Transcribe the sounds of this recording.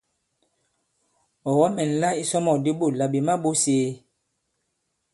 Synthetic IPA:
ɔ˨wa˦mɛ˨n˨la˦i˦sɔ˦mɔ˨di˦bo˦˨la˨bi˨ma˦bo˦seː˨˦

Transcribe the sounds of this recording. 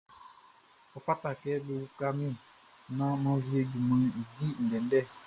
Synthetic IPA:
ɔ˨fa˦ta˨kɛ˦be˦wu˦ka˦mĩ˦˨ | nã˦mã˦vi˦e˦ɡi˨mĩ˨i˨di˦n̩˨dɛ˨n˦dɛ˦˨

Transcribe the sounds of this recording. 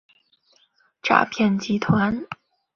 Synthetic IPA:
ʈ͡ʂa̰˥˧pʰjɛ˥˩nt͡ɕi˧˥t̪ʰwa˧˥n

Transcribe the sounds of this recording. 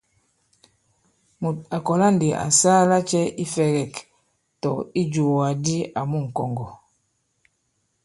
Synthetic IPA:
mu˨t̚a˨kɔ˨la˦ndi˨ʔa̰˨sa˦la˦t͡ʃɛ˦i˦fɛ˦ɡɛ˨k | tɔ˨i˦d͡ʒu˨a˨di˦a˨mu˦˨ŋ̩˨kɔ˨ŋɡɔ˨

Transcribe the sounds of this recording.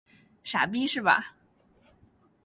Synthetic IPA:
ʂa̰˨˩pi˥ʂɻ̩˥˩bɐ̰˩

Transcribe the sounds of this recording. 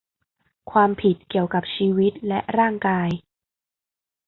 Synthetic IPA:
kʰwaː˧mpʰi˨˩t̪̚ki˨˩əwka˨˩p̚t͡ɕʰiː˧˥wi˦˥t̪̚lɛ˦˥ʔɾaː˥˩ŋkaː˧j

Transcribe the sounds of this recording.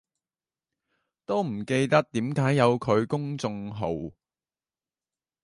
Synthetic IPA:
t̪o˥wm̩˨˩ke˧jt̪ɐ˥k̚t̪iː˨˥mkaː˨˥jːɐ˨˧wkʰɵ˨˧ɥkʊ˥ŋt͡sʊ˧ŋɦo̰˨˧w

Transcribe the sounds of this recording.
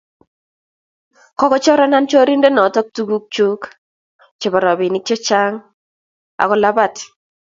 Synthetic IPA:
kɔ˦kɔ˦t͡ʃɔ˦ɾɔ˦na˦nt͡ʃo˦ɾi˦nde˦nɔ˨tɔ˦k̚tu˦ɡu˦k̚t͡ʃu˦k | t͡ʃe˨bɔ˨ɾɔ˨bɪ˨nɪ˦k̚t͡ʃɔ˦t͡ʃa˦ŋ | a̰˨kɔ˨la˦ba˦˨t

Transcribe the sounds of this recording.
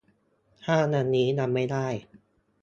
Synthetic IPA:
hʰaː˥˩na˧nːiː˦˥na˧mːa˥˩jdaː˥˩j

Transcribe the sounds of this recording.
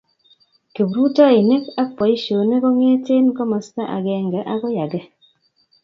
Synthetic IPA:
ke˨bɾu˦tɔ˦i˨ne˦ka˦k̚pɔ˨i˦ʃo˨ne˦ko˦ŋe˦te˦nkɔ˦mɔ˨sta˦ʔa̰˨kɛ˨ŋɡɛ˨˦ʔa˦kɔ˦ja˨ɡɛ˨

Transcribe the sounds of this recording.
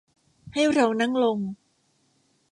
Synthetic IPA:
ha˥˩jɾa˧wna˥˩ŋlo˧ŋ

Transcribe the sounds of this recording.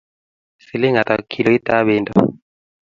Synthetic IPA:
si˨li˦ŋa˨t̪a˨kʰi˨lɔ˨i˦ta˦βe˦ndɔ̰˨

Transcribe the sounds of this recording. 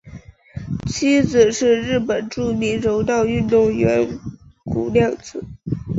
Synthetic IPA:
t͡ɕʰi˥d͡zɹ̩˨˩ʂɻ̩˥˧ɻɻ̩˥˩pə˨˩nʈ͡ʂu˥˩mi˧˥ŋɻo˧˥ʊt̪ɑ˥˧ʊy˥˧nt̪ʊ˥˩ŋɥɛ˧˥nku˨˩ljɑ˥˩ŋt͡sɹ̩˨˩˦

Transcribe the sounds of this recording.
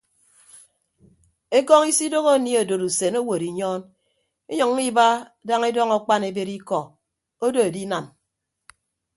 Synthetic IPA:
e˦kɔ˦ŋi˦si˦do˦ɣo˦˨ni˦o˨do˨ɾu˨se˨no˦wo˨ɾi˨ɲɔː˦n | e˦ɲɔ˨ŋ˦i˦ba˦da˦ŋe˦dɔ˦ŋɔ˨k͡pa˦ne˨be˦ɾi˦kɔ˨ | o˦do˨e˨di˦na˨n

